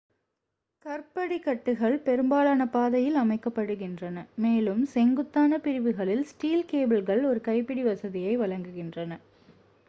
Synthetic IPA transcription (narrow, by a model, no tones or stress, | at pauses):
kɐrpɐɽikːɐʈːɯɣɐɭpɛɾɯmbaːlaːnɐpaːðɐjɪlɐmɐɪkːɐpːɐɽɯɣɪndrɐnɐmeːlɯmsɛŋɡɯt̪ːaːnɐpɪɾɪʋɯɣɐɭɪlsʈiːlkeːbɪlɣɐɭɔɾɯkɐɪpːɪɽiʋɐsɐðɪjɐɪʋɐɭɐŋɡɯɣɪndrɐnɐ